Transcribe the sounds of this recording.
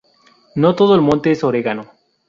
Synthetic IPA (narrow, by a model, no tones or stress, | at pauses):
not̪oðolmõnt̪esoɾekano